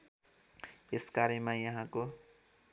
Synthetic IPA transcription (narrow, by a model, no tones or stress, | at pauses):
eskaɾemãjʌɦãko